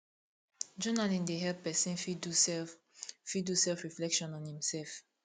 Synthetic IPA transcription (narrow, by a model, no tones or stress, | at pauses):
d͡ʒɔnalĩndeɦɛlppːɛsĩnfi | fidusɛlfɹiflɛkʃɔ̃nɔ̃nhĩmsɛlf